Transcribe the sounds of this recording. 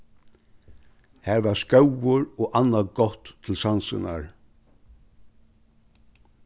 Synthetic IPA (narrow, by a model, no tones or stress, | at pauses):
hæɾʋaskœwʊɹɔʔanːaɡɔt̪ʰːɪlsansɪ̰na̰ɹ